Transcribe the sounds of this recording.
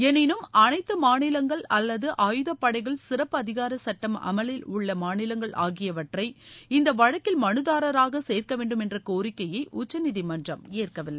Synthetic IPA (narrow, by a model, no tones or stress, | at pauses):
ɛnɪnɯmɐnɐɪt̪ːɯmaːnɪlɐŋɡɐɭɐlːɐðɯʔaːjɯðɐpːɐɽɐɪɣɐɭsɪrɐpːɐðɪɣaːɾɐsɐʈːɐmɐ̰mɐlɪlʊɭːɐmaːnɪlɐŋɡɐɭʔa̰ːɣɪjɐʋɐʈrɐɪɪnd̪ɐʋɐɻɐkːɪlmɐnɯðaːɾɐɾaːɣɐseːrkɐʋeːɳɖɯmɛndrɐkoːrɪkːɐjɐɪʔʊt͡ʃːɐnɪðimɐndrɐmeːrkɐʋɪlːɐ